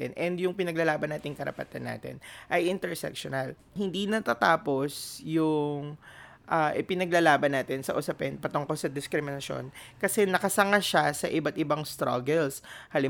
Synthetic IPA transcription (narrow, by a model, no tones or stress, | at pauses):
ɛ̰nʔɛnd̪jʊŋpɪnɐɡlɐlaːbɐnaːt̪ɪŋkɐɾɐ̰pɐ̰t̪anːa̰ːt̪ɪ̰nʔɐjʔɪnt̪ɛɹsɛ̰kʃonɐl | hɪnd̪inɐt̪at̪aːpo̞sjʊŋ | ʔaːʔɪpɪnɐɡlɐlaːbɐnːaːt̪ɪnsɐ̰ʔʊsɐpɛnpɐt̪oŋkolsɐd̪ɪskɾɪmɪnɐʃo̞̰nkɐsɛnɐkɐsɐŋaʃasɐ̰ʔɪbat̪̚ʔɪbaŋst̪ɾa̰ɡɛlshalɪ